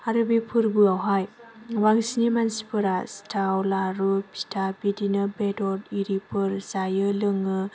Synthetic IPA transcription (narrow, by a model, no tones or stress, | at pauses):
aɾɯbipʰɯɾbɯawɦajwaŋsinimansi̥pʰɯɾastʰawlaɾupʰi̥stʰabidinɯbedɔɾiɾipʰɯɾzajɯlɯŋɯ